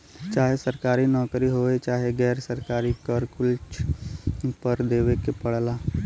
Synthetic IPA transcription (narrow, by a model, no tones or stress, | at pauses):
t͡ʃaːɦesəɾkaːɾinɔːkɾiɦoːet͡ʃaːɦeɡɛːɾsəɾkaːɾikəɾkʊlt͡ʃ | pəɾd̪eːʋekepəɽ̤laː